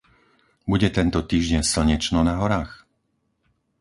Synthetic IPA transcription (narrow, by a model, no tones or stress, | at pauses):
buɟɛt̪ɛnt̪ɔt̪iːʒɟɛɲsl̩ɲɛt͡ʃnɔnaɦɔɾaːx